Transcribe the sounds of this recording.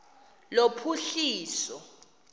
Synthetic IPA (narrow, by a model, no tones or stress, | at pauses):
lopʰuɬiːsɔ